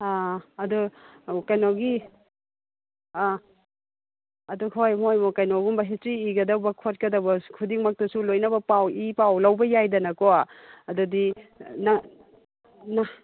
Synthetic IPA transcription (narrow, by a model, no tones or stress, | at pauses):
aɐdu | kajnowɡi | ɐduhojmojmɔkɐjnowɡumbɐɦit͡ʃiːɡɐdawbɐkʰot̚kɐdɐbɐkʰudiŋmak̚tɐsulojnɐbɐpawipawlɐwbɐjajdɐnɐkɔaɐdudina | na